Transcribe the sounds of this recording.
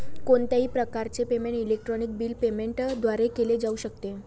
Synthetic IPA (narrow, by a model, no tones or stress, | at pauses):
koɳt̪aɦiːpɾəkaɾt͡sepemeɳʈilek̚ʈɾɔnik̚biːlpemeɳʈd̪ʱʋaɾekeled͡zauɕək̚t̪e